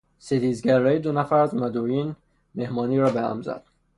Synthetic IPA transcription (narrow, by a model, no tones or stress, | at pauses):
set̪ʰiːzɟæɾːɒːjed̪onæfæɾzmæd̪uːɾiːn | mehmɒːniːɾɒːbehæ̰mzæ̰d̪̥